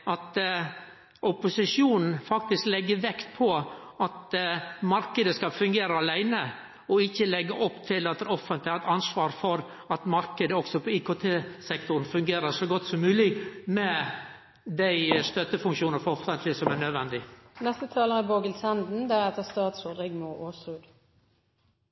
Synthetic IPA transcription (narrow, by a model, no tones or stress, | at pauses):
ʔɑt̪ | ʔʊpʊsɪʂjuːnn̩fɑk̚t̪ɪsklɛɡːəɾʋɛkt̪pʰɔɑt̪mɑɾkəd̪əskɑlfʉŋɡeːɾəɑlæɪnə | ɔɪçːəlɛɡːəʔɔpːt̪ʰɪlɑt̪d̪ɛɾɔfənt̪lɪæɾɛt̪ɑnsʋɑːɾfɔɾ | ɑt̪mɑɾkəd̪əɔksɔpʰɔiːkoːt̪ʰeːsɛkt̪ʊɾn̩fʉŋɡeːɾəʂɔɡɔt̪ːsɔmmʉːlɪmɛ | d̪æɪst̪œt̪ːəfʉŋkʃuːnəɾfɔɔfənt̪lɪsɔmænœd̪ʋɛnd̪ɪnɛst̪ət̪ʰɑːləʁəboːɡəlsɛnd̪n̩d̪æʁɛt̪əst̪ɑːt̪soːd̪ɪɡmʊʔoːsʁʉːd̪